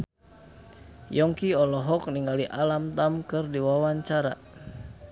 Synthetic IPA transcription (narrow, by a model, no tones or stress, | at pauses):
jɔŋkiɔlɔɦɔk̚niŋɡaliʔalamt̪amkɨrdiwawaɲt͡ʃaɾa̰